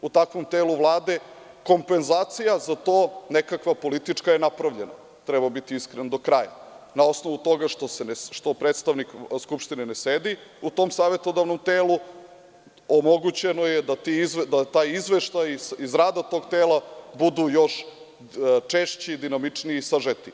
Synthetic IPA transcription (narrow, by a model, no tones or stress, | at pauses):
ut̪akʋo̞mt̪eːluʋlˠaːd̪e̞ | ko̞mpenzaːt̪sijazat̪o̞ːnekakʋapo̞lit̪it͡ʂkajenapɾaʋʎe̞na̰ | t̪ɾɛbabit̪iiskɾend̪o̞kɾaːja̰nao̞sno̞ʋut̪o̞ɡaʃt̪osenʃt̪o̞pɾeːt̪st̪aʋnikskupʃt̪inenesed̪iut̪o̞msaːʋet̪o̞d̪avno̞mt̪eːlu | omo̞ɡut͡ɕeno̞jed̪at̪iizd̪at̪aːjizʋeʃt̪ajisizɾaːd̪at̪o̞ɡt̪eːlabud̪ujo̞ʃ | t͡ʂeʃt͡ɕid̪inamit͡ʂniiːsaʒet̪i